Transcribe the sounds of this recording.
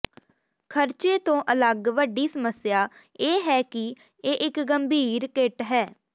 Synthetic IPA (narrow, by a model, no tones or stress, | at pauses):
kʰəɾt͡ʃeːt̪õːʔələɡʋəɖiːsəməsjaː | eːɦɛːkɪ | eːʔɪkɡəmbʱiːɾkeʈɦɛː